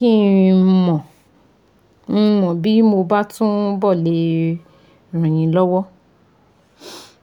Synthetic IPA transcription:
ĩ˦mɔ̃˨ | ñ̩˧mɔ̃˨bi˨˦mo˧ba˦tũ˦bɔ˦˨le˨˦ | ɾ̃ũ˨j̃ĩ˨˧lɔ˦wɔ˦

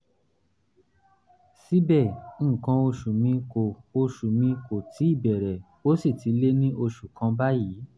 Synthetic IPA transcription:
si˦bɛ̃˦˨˦kã˧o˧ʃu˨mĩ˧ko˨o˧ʃu˨mĩ˧ko˨tʰi˨˦i˦˨bɛ˨ɾɛ˨ | o˨˦si˦˨ti˨˧˦le˦nĩ˦ʔo˧ʃu˨kã˧ba˦ji˨˦

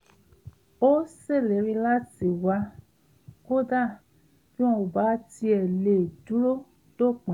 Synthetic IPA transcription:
o˦se˦˨le˨˦ɾĩ˧la˦ti˨wa˧ | ko˦da˦˨ | fi˦ɔ̃˧u˨ba˨˦ti˧ɛ˨le˨du˦ɾo˦ | d̥o˦˨k͡pɛ̃˨˦

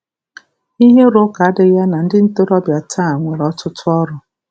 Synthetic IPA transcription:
i˦ɦe˦ɾo˦ka˨a˦dɪ˨ja˦na˨n̩˦dɪ˦n̩˦to˦ɾɔ˦bja˨tʰa˦˨ŋʷe˨ɾɔ˦tʊ˦tʊ˦ɔ˦ɾʊ˨

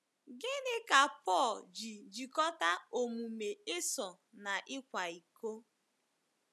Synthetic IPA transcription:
ɡɪ˦nɪ˦ka˨pɔ˦˨ld͡ʒi˨d͡ʒi˨kɔ˦ta˦o˨mu˨me˨ɪ˦sɔ˨ | na˨ʔɪ˦kʷa˨i˨ko˦

